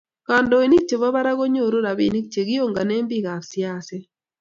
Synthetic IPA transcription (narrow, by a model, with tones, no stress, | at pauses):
ka˨ndɔ˨i˨ni˦k̚t͡ʃe˨βa˦ba˦ɾa˦ɣo˦ɲo˦˨ɾo˦ɾa˨bḭ˦˨ni˦k̚t͡ʃe˨ɡi˦o˦˨ŋɡa˨ne˦mbi˦˨ɣa˨ɾsja˦˨se˦